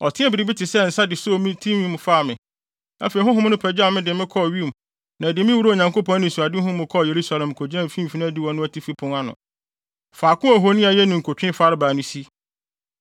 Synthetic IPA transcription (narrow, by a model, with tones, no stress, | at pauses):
ɔ˨tʰɪ̃˦ɛ˦bɪ˨ɾi˨˦bi˦tʰɪ˨sɛ˦n̩˨sa˦dɪ˨so˦˨mɪ̃˦tʰĩ˦mĩ˦m˨faː˦˨mɪ̃˨ | a̰˦fe˨i˨ɦʊ̃˦ɦʊ̃˦nʊ̃˦pʰɛ˨d͡ʑa˦˨mɪ̃˦dɪ˨mɪ̃˦kʰɔ˦˨ɥi˦˨m˨ | nã˨dɪ˨mɪ̃˦wu˦ɾo˦o˨ɲã˨ŋkʰo˦pʰɔ̃˦nɪ̃˨su˨a˨dɪ˦ɦʊ̃˦mʊ̃˨kʰɔ˦˨je˨ɾu˦sa˦lɛ̃˨mkʰo˨d͡ʑã˦m˨fĩ˦m˨fi˦nã˦˨di˦wɔ̃˨nʊ̃˦æ˦tʰi˦fi˦pʰʊ̃˦ŋa˦nʊ̰̃˨ | faː˨kʰʊ̃˦a˨ɦo˦nĩ˦a˨jɛ˦nʊ̃˨ŋ̩˨kʰo˨tʰᶣɪ̃˦fa˦ɾɪ˦baː˨nʊ̃˦si˦